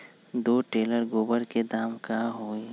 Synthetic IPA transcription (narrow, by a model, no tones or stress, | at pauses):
d̪oːʈeːləɾɡoːbəɾked̪aːmkaɦoːi